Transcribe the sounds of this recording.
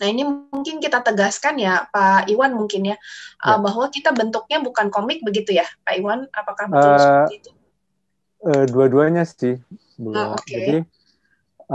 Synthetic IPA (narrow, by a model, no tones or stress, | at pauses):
nainimŋkɪnkit̪at̪əɡaskanjapaiwanmuŋkɪnjaʔəbaɦwakit̪abənt̪uk̚ɲabukankomɪk̚bəɡit̪ujapaiwanapakahbəitt̪u̥ | əduaduaɲastɪh | bəlaokeai